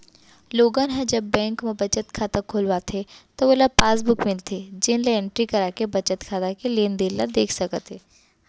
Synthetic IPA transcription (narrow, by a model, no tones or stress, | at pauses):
loːɡãnɦɛ̃d͡ʒɐbːɛ̃ːŋkmẽbɐt͡ʃət̪kʰaːt̪akʰoːlʋaːt̪ʰet̪oʋolapaːsbʊkmɪlt̪ʰed͡ʒɪnleɛ̃ɳʈɾikɐɾaːkebɐt͡ʃət̪kʰaːt̪akeleːnd̪eːllad̪eːkʰsɐkət̪eː